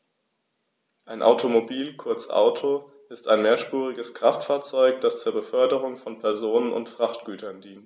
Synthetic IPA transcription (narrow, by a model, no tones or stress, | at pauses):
ʔaɪnʔa̰ʊtʰomobiːlkʰʊɐt͡sʔa̰ʊtʰo | ʔɪstaɪnmeːɐʃpuːʁ̞ɪɡəskʁ̥aftfaːɐt͡sɔʏkd̥ast͡suːɐbəfœɐdəʁ̞ʊŋfɔnpʰɛɐzoːnənʔʊ̰ntfʁ̥aχtɡ̥yːtʰɐndiːnt